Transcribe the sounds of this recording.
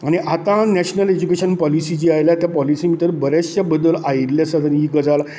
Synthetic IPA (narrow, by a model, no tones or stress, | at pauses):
aɽ̃iʔat̪ãnɛɕnəled͡ʑukeɕənpɔlisid͡ʑiːajljat̪japɔlisimit̪əɾbəɾest͡ɕabəd̪əlaiɾljasəd̪əniɡəd͡zal